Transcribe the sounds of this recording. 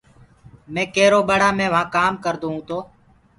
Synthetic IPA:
mẽːkeːɾoːɓəɽaːmẽːʋãːkaːmkəɾd̪oːɦũːt̪oː

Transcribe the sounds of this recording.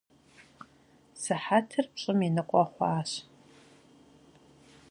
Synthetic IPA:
sɨħatʰɨrpɕʼɨminɨqʷʼɔχʷɑ̰ːɕ

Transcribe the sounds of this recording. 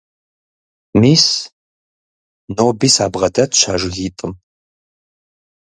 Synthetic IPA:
miːs | noːbiːsaːbʁɐdɐtʰʃa̰ːʒʷɪɣiːtʼɨm

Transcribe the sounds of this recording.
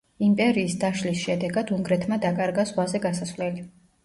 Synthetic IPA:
impʼɛɾiːsd̪aʃlisʃɛd̪ɛɡad̪uŋɡɾɛt̪ʰmad̪akʼaɾɡazʁwazɛɡasaslɛli

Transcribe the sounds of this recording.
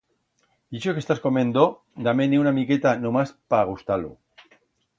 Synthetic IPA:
d̪iʃokest̪askomẽnd̪o | d̪ameneunamiket̪anomaspaɣ̞ust̪alṵ

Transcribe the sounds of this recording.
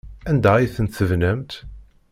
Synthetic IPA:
ænd̪æjiθənt̪θəvnəmt̪

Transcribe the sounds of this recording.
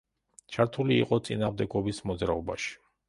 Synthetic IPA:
t͡ʃʰaɾt̪ʰulḭːqʼɔt̪sʼinaːʁmd̪ɛɡɔbismɔd̪zɾaɔbaʃi̥

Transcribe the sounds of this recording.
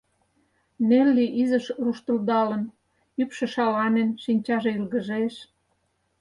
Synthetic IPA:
nelːiʔizəʃruʃt̪ə̆ld̪ɑlən | ypʃĕʃɑlɑnenʃinʲt͡ɕɑʒe̽ilɣə̆ʒeʃ

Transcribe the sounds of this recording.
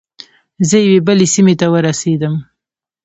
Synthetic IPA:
zəjawebəlesimet̪awəɾased̪əm

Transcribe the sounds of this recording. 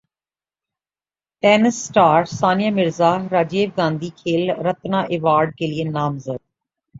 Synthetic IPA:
pɛːnəsːʈaːɾsaːnɪjaːmɪɾzaːɾaːd͡ʒeːʋɡãːnd̪iːkʰeːlɾət̪nãːʔɪʋaːɾɖ̚keːlieːnaːmzəd̪̚

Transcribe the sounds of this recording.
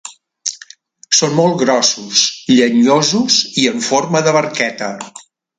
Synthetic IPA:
sonmolˠtɡɣɾɔsusʎəɲozuziəɱforməðəβərkɛt̪ə

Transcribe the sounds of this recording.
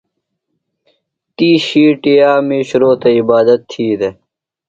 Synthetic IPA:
t̪iːɕiːʈijaːmiːɕɾoːt̪ɐibaːd̪ɐt̪ʰːiːd̪e

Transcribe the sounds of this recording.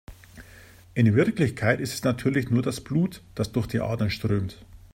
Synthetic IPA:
ʔɪnvɪɐklɪçkʰaɪtɪstɛsnatʰyːɐlɪçnuːɐdasb̥luːtd̥asd̥ʊɐxd̥iːʔa̰ːdɐnʃtʁ̥øːmt

